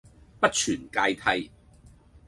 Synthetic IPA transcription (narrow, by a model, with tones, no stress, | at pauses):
pɐ˥t̚t͡ʃʰyː˨˩nkaː˧jt̪ʰɐ˧j